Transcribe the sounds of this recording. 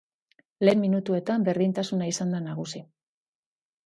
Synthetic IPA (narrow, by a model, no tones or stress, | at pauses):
le̞ːmminut̪ue̞t̪ambe̞ɾðint̪asunaisand̪anaɣ̞usi